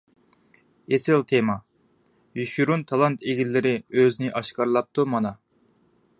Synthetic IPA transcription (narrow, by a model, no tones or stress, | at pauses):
esɪlt̪ʰemɑ | juʃuɾunt̪ʰɑlˠɑnt̪ʰeɡʲilːɪɾɪøznɪʔɑʃkɑɾlˠɑp̚t̪ʰumɑnɑ